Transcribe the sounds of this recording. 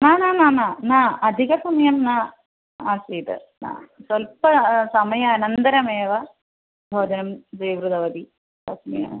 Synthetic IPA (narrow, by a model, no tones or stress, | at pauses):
naːnaːnaːnaːnaːɐd̪ʱiɣɐsɐmɐjɐmnaː | aːsiːt̪ɨ̰ | na̰ːsɐlpɐsɐmɐjɐɐnɐnd̪ɐɾɐmeːʋɐ | bʱoːd͡ʑɐnɐmd͡ʑɐjʋɾud̪ɐʋɐd̪i | t̪ɐsmḭɐ̰